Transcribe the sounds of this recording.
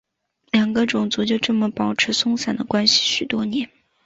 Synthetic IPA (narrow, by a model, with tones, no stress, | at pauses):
ljɑ˨˩ŋɡə˦ʈ͡ʂʊ˨˩ŋt͡su˧˥t͡ɕjo˥˧ʊʈ͡ʂɤ˥˩mə˨˩pɑ˨˩ʊʈ͡ʂʰɻ̩˧˥sʊ˥ŋsa˨˩nd̪ə̰˦kwa˥nɕi̥˨˩ɕy˨˩t̪wɔ˥njɛ˧˥n